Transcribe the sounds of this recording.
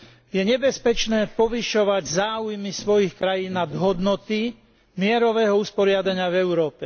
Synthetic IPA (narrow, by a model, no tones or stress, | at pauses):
jɛɲɛbɛspɛt͡ʃnɛːpɔʋiʃɔʋaɟzaːujmisʋɔjixkɾajiːnːad̪ɦɔd̪nɔt̪i | mɪɛɾɔʋɛːɦɔuspɔɾɪad̪aɲɪavɛʊɾɔːpɛ